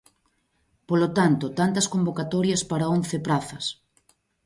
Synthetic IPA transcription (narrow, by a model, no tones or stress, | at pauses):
polot̪ant̪ot̪ant̪ɐskombokat̪ɔɾjɐspaɾaonθɪpɾaθɐs